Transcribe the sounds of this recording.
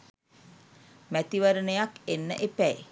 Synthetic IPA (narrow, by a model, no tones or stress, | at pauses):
mæt̪iʋəɾənəjakenːə̰ʔepæj